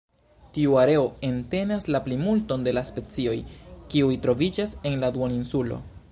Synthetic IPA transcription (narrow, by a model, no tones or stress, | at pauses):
tiuaɾe̞o̞e̞nte̞naslaplimulto̞nde̞laspe̞t͡sio̞jkiujtɾo̞vid͡ʒase̞nladuoninsulo̞̰